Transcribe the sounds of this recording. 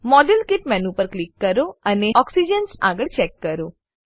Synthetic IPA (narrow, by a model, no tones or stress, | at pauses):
mɔɖəlkɪʈ̚mɛnũpəɾklikːəɾoəneɔksid͡ʒənsa̰ɡəɭt͡ʃɛkːəɾo